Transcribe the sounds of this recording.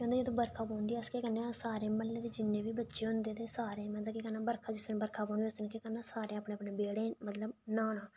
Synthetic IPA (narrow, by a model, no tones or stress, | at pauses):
kõːnd̪eed̪õːbəɾkʰaːpɔ̃ːnd̪iɛskeːkənːẽːsaːɾeːməlːeːt̪eːd͡ʒɪnːẽːbiːbətːʃeːɦʊnd̪eːt̪eːsaːɾeːmɛ̃ːt̪akikənːãːbəɾkʰaːd͡ʒɪsnbəɾkʰaːpɔ̃ːnd̪iːst̪nːkeːkənːãːsaːɾẽːəpɳẽːəpɳeːbeːɽeːmət̪ləbnaːnãː